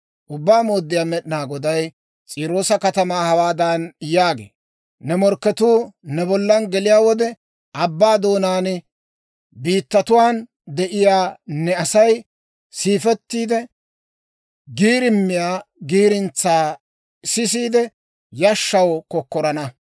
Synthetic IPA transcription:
ʔʊbːaːmo̞ːd̪ːɪjaːmɛɗɪnaːɡɔd̪ɐj | t͡sʼiːɾo̞ːsɐkɐt̪ɐmaːhɐwaːd̪ɐnjaːɡḛː | nɛmɔɾkːɛt̪uːnɛbɔlːɐnɡɛlɪjaːwɔd̪ɛ | ɐbːaːd̪o̞ːnaːn | biːt̪ːɐt̪ʊwaːn | d̪ɛʔɪjaːnɛɐsɐj | siːfɛt̪ːiːd̪ɛ | ɡiːɾɪmːɪjaːɡiːɾɪnt͡sːaː | sɪs̬iːd̪ɛ | jɐʃːɐwkɔkːɔɾɐnɐ

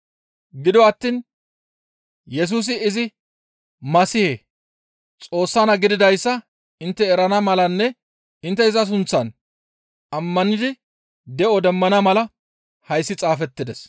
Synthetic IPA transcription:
ɡɪd̪ɔwɐt̪ːiːn | jɛs̬uːs̬ɪːzɪ | mɐsɪhe | t͡sʼo̞ːsːanɐɡɪd̪ɪd̪ɐjsːɐ | ɪnt̪ːɛːɾɐnɐmɐlɐnːɛ | ɪnt̪̬ːɛɪzɐs̬ʊnt͡sːɐn | ɐmːɐnɪd̪ɪ | d̪ɛʔɔd̪ɛmːɐnɐmɐlɐ | hɐjsːɪt͡sʼaːfɛt̪ːɪd̪ɛs

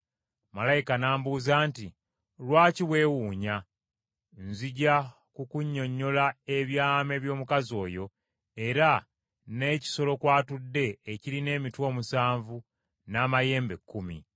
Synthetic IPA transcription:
malajikanaːmbuːzaːnti | lwaːciwe̞ːwuːɲa | nziɟa | kukuɲːo̞ɲːo̞lae̞βjaːme̞βjo̞ːmukazo̞ːjo̞ | e̞ɾa | ne̞ːci̥so̞lo̞kwaːtudːe̞ːciline̞ːmitwo̞ːmusaːɱvu | naːmaje̞ːmbe̞kːumḭ

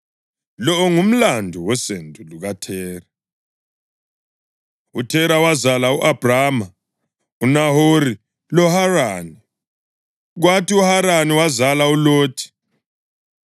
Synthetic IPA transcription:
lɔɔŋum̩landʱuwɛsentʼuluɣatʰɛːra | utʰɛɾawazalauʔab̥raːma | unaɦoɾi | lɔharani | ɣwatʰiuhaɾaniwazalauloːtʰi̥

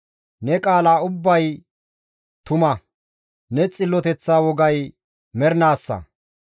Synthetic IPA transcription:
nɛkʼaːlaːʊbːɐj | t̪ʊmɐ | nɛt͡sʼɪlːɔt̪ɛt͡sːaːwɔɡɐj | mɛɾnaːsːɐ̰

